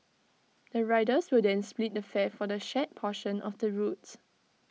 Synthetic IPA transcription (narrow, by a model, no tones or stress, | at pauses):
d̥əɹaɪdəswɪdɛ̃nsplit̚dəfɛfɔdəʃɛt̚pʰɔʃə̃nɔfdəɹuts